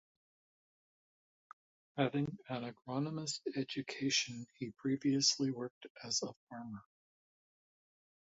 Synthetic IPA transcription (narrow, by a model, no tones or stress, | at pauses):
hævɪ̃ŋɨ̃nɨɡɹɑnəməstɛd͡ʒɨkʰeɪʃɨ̃nipʰɹ̥iviɨsliwɜ˞k̚tɨzəfɑɹmə˞